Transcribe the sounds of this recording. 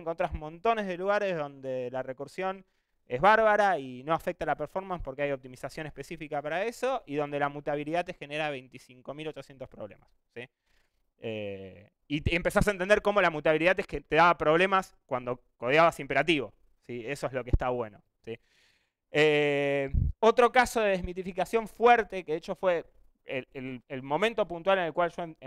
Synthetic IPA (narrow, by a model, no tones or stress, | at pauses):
ŋkont̪ɾasmõ̞nt̪o̞nezð̞e̞luɣaɾe̞zðo̞nd̪elarekuɾsjo̞n | e̞zβaɾβaɾaino̞afek̚t̪alapeɾfo̞ɾmãnspo̞ɾkeajop̚t̪imisasjo̞nehpe̞sifikapaɾae̞so̞ʔiðo̞nd̪e̞lamut̪aβiliðat̪exe̞neɾaβejnt̪isiŋko̞milo̞t͡ʃo̞sjent̪o̞spɾoβlḛmasːi | e | iempe̞sast̬aent̪end̪eɾko̞mo̞lamut̪aβiliðat̪eet̪e̞ðaβapɾo̞βle̞mas | kwand̪o̞ko̞ð̞jaβasimpe̞ɾat̪̬iβo̞ | sie̞so̞ezlokest̪aβwe̞no | si | e | o̞t̪ɾo̞kaso̞ðe̞ðezmit̪̬ifikasjo̞ɱfweɾt̪e̞keðet͡ʃofwe̞ | eelelmo̞mẽnt̪o̞punt̪wale̞ne̞lkwalʒo